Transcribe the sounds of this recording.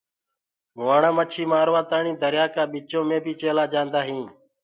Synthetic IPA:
ɦʊaːɳãːmət͡ʃʰiːmaːɾʋaːt̪aːɳĩːd̪əɾjaːkaːɓiːt͡ʃõːmẽːbʱiːt͡ʃeːlaːd͡ʒãːnd̪aːɦĩː

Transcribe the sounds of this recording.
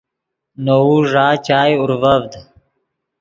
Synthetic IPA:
nowuʐaːt͡ʃaːjʊɾvəvd̪

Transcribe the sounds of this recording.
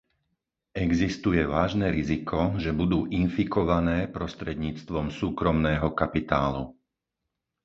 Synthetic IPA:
ɛɡzist̪ujɛʋaːʒnɛɾizikʰɔʒɛbud̪uːʔinfikɔʋanɛːpɾɔst̪ɾɛd̪ɲiːt͡st̪ʋɔmsuːkɾɔmnɛːɦɔkapit̪aːlṵ

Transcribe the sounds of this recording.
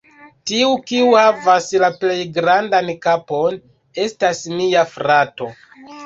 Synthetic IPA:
tiukiuhavaslaple̞jɡɾandankapo̞n | e̞stasmiafɾato̞

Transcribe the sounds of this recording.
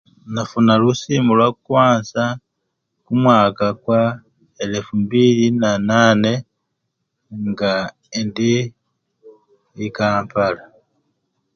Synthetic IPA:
nafunalusiːmulwakukwaːnsa | kumwaːkakwa | elefumbilinanane̞ | ŋɡa | indi | ikaːmpala

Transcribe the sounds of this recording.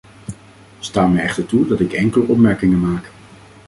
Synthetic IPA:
staːmɛjɛχtəɹtudɑtɪkɛŋkələʔɔpmɛɹkɪŋənmaːk

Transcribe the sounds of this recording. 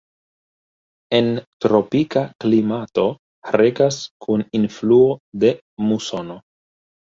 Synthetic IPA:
e̞ntɾo̞pikaklimato̞ | ɾe̞kaskʰuninfluo̞de̞ | muso̞no̞

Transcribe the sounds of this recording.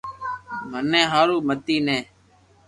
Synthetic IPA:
mənːẽːɦaːɾuːmət̪iːnẽː

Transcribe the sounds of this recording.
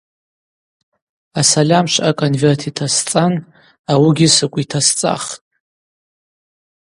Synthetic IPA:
asalʲamʃʷakʼonvertʰitʰast͡sʼan | awiɡʲɪsɨkʷʼitʰast͡sʼa̰χtʼ

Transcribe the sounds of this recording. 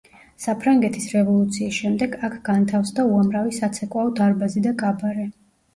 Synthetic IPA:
sapʰɾaŋɡɛt̪ʰisɾɛvɔlˠut̪sʰiːsʃɛmd̪ɛɡakʰɡant̪ʰafsd̪auamɾavisat̪sʰɛkʼwaɔd̪aɾbazid̪akʼabaɾɛ

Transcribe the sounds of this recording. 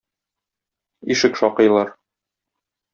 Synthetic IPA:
iʃɘkʃɒqɤ̆jlˠɑɾ

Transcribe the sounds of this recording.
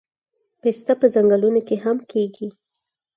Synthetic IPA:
pest̪apəzaŋɡəlunokeɦamkʰeɡi

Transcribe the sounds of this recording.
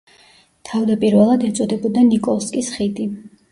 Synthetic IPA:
t̪ʰavd̪apʼiɾvɛlˠad̪ɛt̪sʼɔd̪ɛbɔd̪anikʼɔlˠskʼisχid̪i

